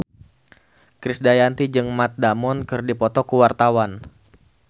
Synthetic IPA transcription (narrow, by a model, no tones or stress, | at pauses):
kɾɪsdajant̪id͡ʒɨŋmat̪̚damɔnkɨrdipɔt̪ɔkuwart̪awan